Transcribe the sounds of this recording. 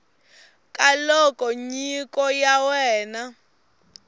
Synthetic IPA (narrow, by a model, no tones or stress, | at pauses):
kʼalɔkʼɔɲikʼɔjawɛːna